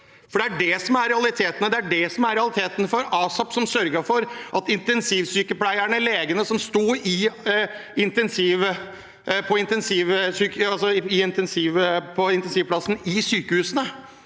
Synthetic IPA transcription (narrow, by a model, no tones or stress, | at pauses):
fɔɖɛæɖɛsɔmæɾɾɛɑlɪt̪ʰeːt̪ənəd̪ɛæɖɛsɔmæɾɛɑlɪt̪ʰeːt̪ənfɔɾɑːsɑpsɔmsœɾɡəfɔɾʔɑt̪ɪnt̪ɛnsiːʋsyːkəplæɪəɳəleːɡənəsɔmst̪uːɾɪ | ɪnt̪ɛnsiːʋə | pʰɔɪnt̪ɛnsiːʋsyːkɑlsɔɪɪnt̪ɛnsiːʋpʰɔɪnt̪ɛnsiːʋpʰlɑsn̩ɪsyːkəhʉːsənə